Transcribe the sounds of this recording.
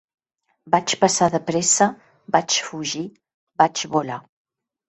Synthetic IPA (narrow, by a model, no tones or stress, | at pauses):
bat͡ʃpəsaðəpɾɛsə | bat͡ʃfuʒi | bad͡ʒβula